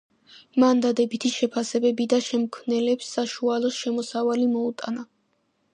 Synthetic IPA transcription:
mand̪ad̪ɛbit̪ʰiʃɛpʰasɛbɛbid̪aʃɛmkʰmnɛlɛpsːaʃualˠɔsʃɛmɔsavalimɔut̪ʼa̰na

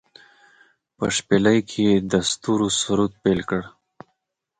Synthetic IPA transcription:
pə̰ʂpeləjkʰeed̪ast̪uɾusuɾut̪̚pelkəɽ

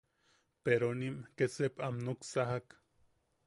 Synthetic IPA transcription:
peɾonimket͡sepamnuksaɦak

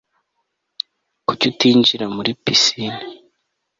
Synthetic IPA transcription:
kucutiːɲɟiɾamuɾipisini

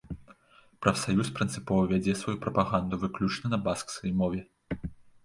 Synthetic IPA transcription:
pɾɐfsajuspɾɨnt̪sɨpɔvɐvʲad͡zʲɛsvajupɾɐpaɣand̪uvɨklʲut͡ʂnɐnɐbaskskɐjmɔvʲɛ

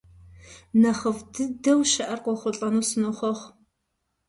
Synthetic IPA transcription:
nɐχəvdɨdɐwʃɐʔɐrqʷɔχʷʊɬʼɐnuːsɨnoχʷɔʁʷ

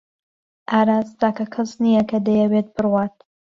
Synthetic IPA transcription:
ʔaːɾaːst̪aːkɐkʰɐsnijɐkɐd̪ɐjɛwet̪̚bɨrwaːt̪̚

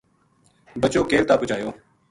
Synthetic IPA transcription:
bət͡ʃoːkeːʋt̪aːpʊt͡ʃaːjoː

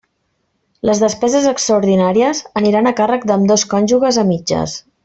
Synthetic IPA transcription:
ləzðəspɛzəzəkst̪ɾəuɾðinaɾiəzəniɾanəkarək̚d̪əmd̪oskɔnʲʒuɣəzəmid͡ʒə̰s

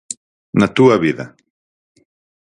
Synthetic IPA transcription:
nat̪uɐβiðɐ̰

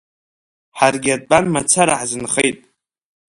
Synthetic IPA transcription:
ħarɡʲad̚bʼanmat͡sʰaɾaħzɨnχejtʼ

